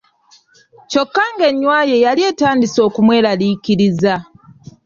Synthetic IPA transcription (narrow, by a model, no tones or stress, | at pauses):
co̞kːaŋɡe̞ɲːwaːje̞jalie̞ːtaːndiso̞ːkumwe̞ːɾalikiɾiza